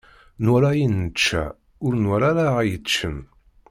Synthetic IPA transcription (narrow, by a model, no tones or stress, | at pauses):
nʊɾajinət͡ʃːæ̰ | ʊɾnɾaɾajət͡ʃːən